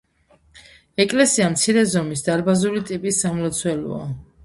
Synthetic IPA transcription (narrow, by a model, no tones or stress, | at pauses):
ɛkʼlɛsiamt̪sʰiɾɛzɔmisd̪aɾbazulit̪ʼipʼisːamlɔt̪sʰwɛlɔ̰a